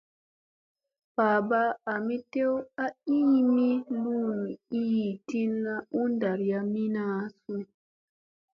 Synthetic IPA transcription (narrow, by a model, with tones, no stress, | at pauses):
baː˨ba˦a˨mi˦te˦wa˦iː˦mi˦lu˦m˨i˦i˨ti˦nːa˦u˦n˦da˨ɾja˦mi˦na˦su˦